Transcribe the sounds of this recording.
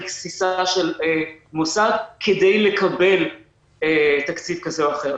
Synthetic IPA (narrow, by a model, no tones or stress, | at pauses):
ksisaʃelemosaɡkʰːed̪ejle̞kʰabe̞l | et̪akt͡sifkazeoaχe̞ʁ